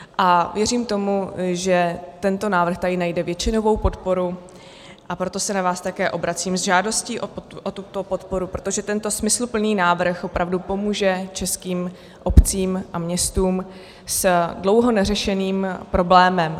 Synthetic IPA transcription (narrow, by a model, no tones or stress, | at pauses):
ʔavjɛriːmt̪o̞muʒɛt̪ɛnt̪o̞naːvr̩xt̪adɪnajdɛvjɛt͡ʃɪnovo̞wpo̞t̪po̞ɾu | ʔapɾo̞t̪o̞sɛnavaːst̪akɛːʔo̞bɾat͡siːmzʒaːdo̞sciːʔoʔot̪ut̪o̞po̞t̪po̞ɾupɾo̞t̪o̞ʒɛt̪ɛnt̪o̞smɪslupl̩niːnaːvr̩xo̞pɾʔavdupo̞muːʒɛt͡ʃɛskiːm | ʔo̞pt͡siːmʔamɲɛst̪uːm | sdlo̞wɦo̞nɛrɛʃɛniːmpɾo̞blɛːmɛm